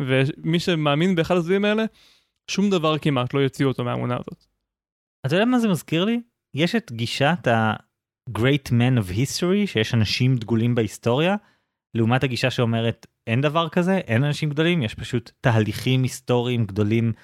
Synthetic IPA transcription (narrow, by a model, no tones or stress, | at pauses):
vemiʃemaːminbeːχalas̬vaimaele | ʃumd̪avaʁkimat̪lojot͡siotomea̰mṵna̰ːzo̞̰t̪ | atajodamazemazkiʁli | jeʃetɡiʃata | ɡʁejtmenovhistoʁiʃejeʃanaʃimd̪ɡulimbeisto̞ʁja | leumathaɡiʃaʃeo̞me̞ʁet | e̞nd̪avaʁkaze̞ʔe̞nanaʃimɡd̪o̞limjeʃpaʃutːaːliχimisto̞ʁiːmɡd̪o̞lim